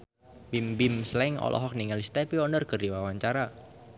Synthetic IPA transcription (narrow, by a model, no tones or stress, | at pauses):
bimbɪmslɛŋɔ̰lʔɔ̰ɦɔk̚niŋalist̪ɛpiɔnərkərdiwawaɲt͡ʃaɾa